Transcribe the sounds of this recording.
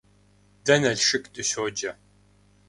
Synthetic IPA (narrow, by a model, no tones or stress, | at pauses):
dɐnɐɮʂɨkʼdɨɕoːd͡ʒɐ